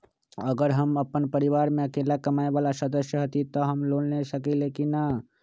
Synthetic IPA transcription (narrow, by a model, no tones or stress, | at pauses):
əɡəɾɦəməpənpəɾiʋaːɾmẽəkeːlakəmaːebalasəd̪əsjəɦət̪it̪ɔɦəmloːlnesəkilekina